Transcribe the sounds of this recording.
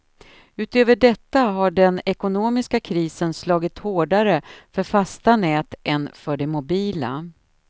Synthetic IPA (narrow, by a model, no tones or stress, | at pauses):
ʉ̟ːt̪øːvəɖɛt̪ːaɦaɖɛnɛkʊnoːmɪskakʰɾiːsənslɑːɡɪt̪hoːɖaɾəfœɾfast̪anɛːt̪ʔɛnfœɖɛmʊbiːla̰